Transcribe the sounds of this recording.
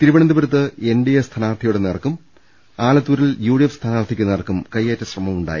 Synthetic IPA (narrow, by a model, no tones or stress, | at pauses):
t̪iɾuʋɐɳɐnd̪ɐbɐɾɐt̪̬ːɨenɖijɐst̪ʰɐnaːʋɐrt̪ʰɐjuɽenerɐkːum | aːlɐt̪ːuːɾiljuːɽijefst̪ʰɐnaːɐrt̪ʰikʲːunːerkːumkɐjːeːtːɐɕrɐmɐmuɳɖa̰ːjḭ